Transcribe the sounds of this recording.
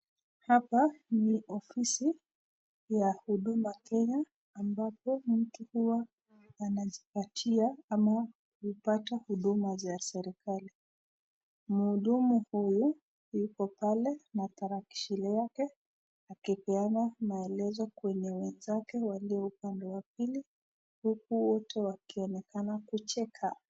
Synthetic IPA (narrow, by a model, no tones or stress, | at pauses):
hapaniʔɔfisi | jahuɗumakɛɲaː | mbapɔm̩tuhuwaː | nazipatʰiaama | hupatahuɗumazasɛɾikali | muːɗumuhuju | jukɔpalɛnat̪aɾaki̥ʃilɛjakɛ | akipɛanamaɛlɛzɔkwɛɲɛwɛnzakɛwaliɔupandɛwapili | huk̚uwɔtɛwakiɔnɛkanakut͡ʃɛkʰa